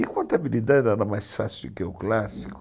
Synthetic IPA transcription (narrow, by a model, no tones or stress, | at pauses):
ɪkwãnt̪abilid̪ad̪ɛdaɾamajsfasilkeʊklasikʊ